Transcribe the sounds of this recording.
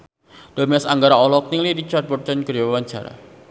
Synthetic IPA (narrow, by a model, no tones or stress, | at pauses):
d̥omiɛsaŋɡaɾaɔlɔk̚niliɾit͡ʃart̪̚bɔrt͡ʃankəɾawaɲt͡ʃa̰ɾa̰